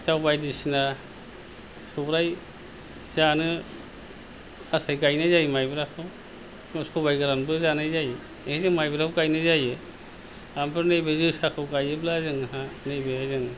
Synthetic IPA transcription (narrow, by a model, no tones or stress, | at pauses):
stawbajdisna | sɔbɾaj | zanɯ | asajɡajnajzajmajbɾakʰɯw | sɔbajɡaɾanbɯzanajzaj | eizɯŋmajbɾakʰuwɡajnɯzajɯ | ampʰɯɾnejbezɯsakʰɯwɡajɯblazɯŋɦanejbeazɯŋ